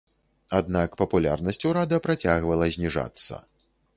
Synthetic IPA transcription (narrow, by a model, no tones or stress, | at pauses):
ad̪nakpɐpulʲa̰rnɐsʲt͡sʲuɾad̪ɐpɾat͡sʲaɣvɐlˠɐzʲnʲiʐa̰t̪sːɐ̰